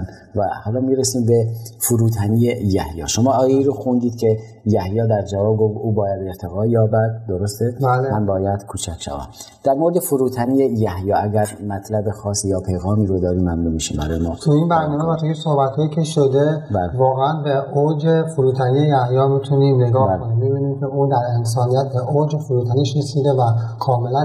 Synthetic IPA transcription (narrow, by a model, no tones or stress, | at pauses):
n | væhɒːlɒːmiːɾesiːmbe̞foɾuːt̪ʰæniːejæhjɒ̰ːʃomɒːɒːjeiːɾoxund̪iːd̪̥cʲʰe | jæhjɒːd̪æɾd͡ʒævɒːbɡofuːbɒːjæd̪e̞ɾt̪ʰe̞ɣɒːjɒːbæd̪̚d̪oɾost̪ebælemænbɒːjæd̪̥kʰuːt͡ʃʰækʰʃæ̰væ̰m | d̪̥æɾmoɾed̪efoɾuːt̪ʰæniːjejæhjɒːæɟæɾmæt̪ʰlæbexɒːsijɒːpʰe̞jɣɒːmiːɾod̪ɒːɾiːmːæmnumiʃimbæ̰ɾɒːjemɒːt̪ʰuinbæɾnɒːmevæt̪ʰuisohbæt̪hɒːjiːcʰe̞ʃod̪e̞bælvɒːɣeænbeod͡ʒefoɾuːt̪ʰænije̞jæhjɒːmit̪ʰuniːne̞ɡɒːhkoniːmːibiːniːmcʰʲe̞uːd̪æɾens̬ɒːnijæt̪̚ʰbe̞ʔod͡ʒefoɾuːt̪ʰæniʃɾesiːd̪e̞vækʰɒːme̞læ